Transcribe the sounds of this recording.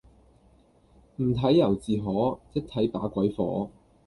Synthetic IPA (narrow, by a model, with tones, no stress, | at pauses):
m̩˨˩t̪ʰɐ˨˥jɐ˨˩wt͡siː˨ɦɔː˨˥t͡sɪ˥k̚t̪ʰɐ˨˥jpaː˨˥kʷɐ˨˥jfɔ̰ː˨˥